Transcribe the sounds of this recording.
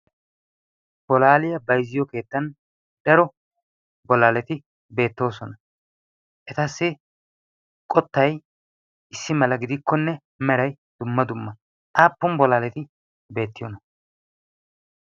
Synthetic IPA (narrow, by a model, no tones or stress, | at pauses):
b̥ɔlaːlɪjɐbɐjzːɪjɔke̞ːt̪ːɐn | d̪̥ɐɾɔ | bɔlaːlɛt̪ɪ | be̞ːt̪ːo̞ːsɔnɐ | ʔɛt̪ɐsːɪ | kʼɔt̪ːɐj | ʔɪsːɪmɐlɐɡɪd̪ɪkːɔnːɛ | mɛɾɐj | d̪̥ʊmːɐd̪ʊmːɐ | aːpːʊmbɔlaːlɛt̪ɪ | be̞ːt̪ːɪjɔnɐ